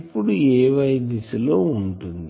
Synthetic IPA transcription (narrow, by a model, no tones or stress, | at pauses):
pːuɽueːʋɐjnisiloːuɳʈund̪i